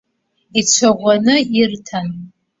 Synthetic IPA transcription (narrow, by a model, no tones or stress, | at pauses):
it͡ʃʷʰaʁʷanɨirtʰan